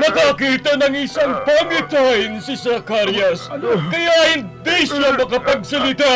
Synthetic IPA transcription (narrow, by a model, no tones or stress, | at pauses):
mɐkɐkiːt̪ɐnɐŋɪsaŋpɐmɪt̪aɪnsɪsɐkaɾjɐskɐjahɪnd̪iʃamɐkɐpɐɡ̚sɐlɪt̪a